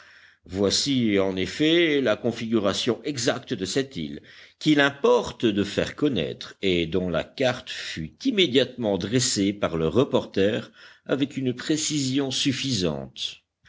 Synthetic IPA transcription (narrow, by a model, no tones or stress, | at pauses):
vwasiɑ̃nefɛlakɔ̃fiɡʲyʁasjɔ̃ʔɛɡzakt̪d̪əsɛt̪ḭlkʲilɛ̃pɔʁt̪d̪əfɛ̰ʁkɔnɛ̰t̪χed̪ɔ̃la̰kaʁt̪fyt̪imed̪jat̪mɑ̃d̪ʁesepaʁləʁəpɔʁt̪ɛʁa̰vɛkynpχesizjɔ̃syfizɑ̰̃t̪